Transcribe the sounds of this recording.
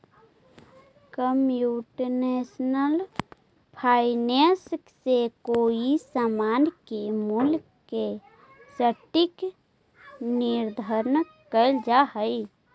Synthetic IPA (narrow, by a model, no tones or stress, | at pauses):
kəmjuʈnesnəl | pʰaɪnesksekoːisamaːnkemulk | ke | səʈik | nɪɾd̪ʱəɾn | kəld͡ʒaɦəi